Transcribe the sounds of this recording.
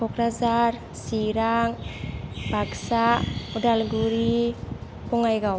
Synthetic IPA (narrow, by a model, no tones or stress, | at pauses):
bɔkɾazar | siɾaŋ | b̥ʱaksaudalɡuɾi | puŋajɡaw